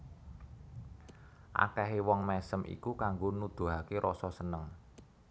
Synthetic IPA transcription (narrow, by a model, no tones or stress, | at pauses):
ʔa̰kɛɦewɔŋmɛsəmʔḭkukaŋɡonud̪̥ṳɦakeɾʔɔsɔsənəŋ